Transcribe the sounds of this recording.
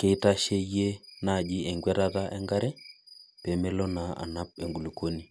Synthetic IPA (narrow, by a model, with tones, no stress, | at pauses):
ke˦ta˦ʃe˦je˦na˦˨d͡ʒɪ˦e˨ŋɡwɛ˦ɾa˦ta˦ʔɛ˦ŋɡa˦ɾɛ˦pe˨me˦lo˦na˨a̰˨na˦p̚e˨ŋɡu˨lu˨ko˦ni˨